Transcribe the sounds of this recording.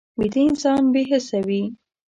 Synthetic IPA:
wid̪iɪnsɑnbeɦəsawi

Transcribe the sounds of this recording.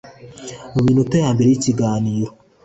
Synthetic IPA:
muminutejaːmbeɾejiciɡaːniːɾo

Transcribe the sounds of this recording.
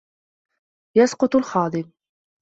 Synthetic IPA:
jɑsqʊt̪ˤʊlxɑːd̪ˤɪm

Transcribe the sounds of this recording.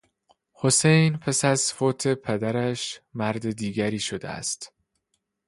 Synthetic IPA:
ho̞se̞jnpʰæsæzfoːt̪ʰepʰed̪æɾæʃmæɾd̪ed̪iːɟæɾiːʃod̪ḛæ̰st̪

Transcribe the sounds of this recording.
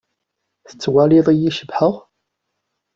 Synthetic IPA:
θə̥t͡sːwæliðˤijiʃəbħəʁ

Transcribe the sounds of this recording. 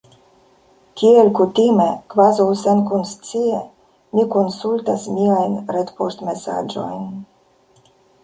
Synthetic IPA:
kielkut̪imekvazawsenkunstt͡sie | mikonsult̪asmiajnɾet̪post̪mesa̰d͡ʒo̞̰jn

